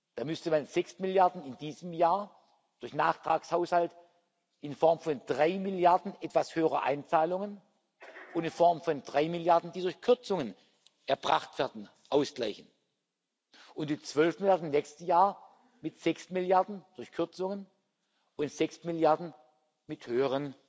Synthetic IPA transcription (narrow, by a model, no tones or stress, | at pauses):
d̥aːmʏstəmanzɛksmɪljaɐdn̩ɪndiːzəmjaːɐ | d̥ʊɐçnaːχtʁ̥aːkshaʊshalt | ɪnfɔɐmfɔnd̥ʁaɪmɪljaɐdn̩ʔɛtv̥ashøːəʁɐ̰ʔa̰ɪnt͡saːlʊŋən | ʊntɪnfɔɐmfɔndʁaɪmɪljaɐdn̩diːdʊɐçkʰʏɐt͡sʊŋən | ʔɛɐb̥ʁa̰χtv̥ɛɐdn̩ | ʔaʊsɡ̥la̰ɪçən̩ | ʔʊntmɪt͡sv̥œlfmɪljaɐdn̩nɛːkstəjaːɐ | mɪtz̥ɛksmɪljaɐdn̩d̥ʊɐçkʰʏɐt͡sʊŋən | ʊntz̥ɛksmɪljaɐdn̩ | mɪthøːəʁən